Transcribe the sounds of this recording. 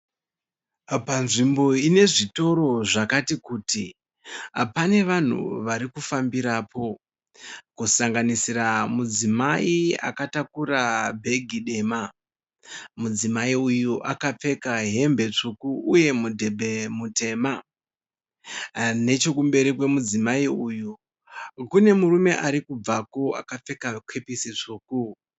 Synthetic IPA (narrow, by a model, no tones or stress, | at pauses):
panʐimbo̞ine̞ʐito̞ɾo̞ʐakatikuːti | pane̞ʋan̤ṵʋaɾikufambiɾaːpʰo̞ | kusaŋɡanisiɾamud͡zimaia̰katakurabʱe̞ɡʱiɗe̞ma | mud͡zimaiujuʔakap͡fe̞kaɦe̞mbe̞t͡ʂukuːje̞mudʱebʱemute̞ma | ne̞t͡ʃo̞kumbe̞ɾikwe̞mud͡zimaiuːju | kune̞murume̞ʔaɾikub͡vako̞a̰kap͡fe̞kakwe̞pisit͡ʂuːku